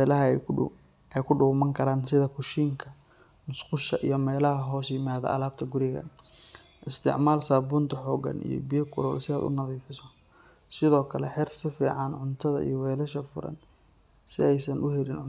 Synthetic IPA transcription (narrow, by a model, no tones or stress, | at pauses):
lɐɦɐ | ʔɛjkʰʊɖʊɣmɐŋkʰɐɾaːnsɪðɐkʰʊʃiːŋkʰɐ | mʊsqʊʃɐʔijɞmɛːlɐɦɐɦɔːsjɪmaːðɐ̰ʔɐ̰laːb̚t̪ʰɐɡʊɾɪɣɐ̰n | ʔɪst̪ʰɪ̰ʕmaːlsaːbuːnt̪ʰɐħɔːɡɐ̰nḭjɞ̰bijɐkʰʊlɔ̰ːlsɪa̰ːd̪ʊ̰nɐðiːfɪsɔ | sɪðɔːkʰɐlɛħɪrsɪfḭːʕɑnʕʊnt̪ʰɐðɐ̰ʔḭjɔwɛːlɐʃɐfʊ̰ɾɐ̰n | sɪɛjsɐnʔʊɦɛlɪnʕʊ